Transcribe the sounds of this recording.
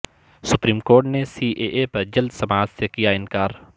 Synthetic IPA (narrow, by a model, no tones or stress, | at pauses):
sʊpɾiːmkoːɾʈnesiːʔeːʔepɐɾd͡ʒɐld̪sɐmaːd͡ʒsekijaɪ̃nkaːɾ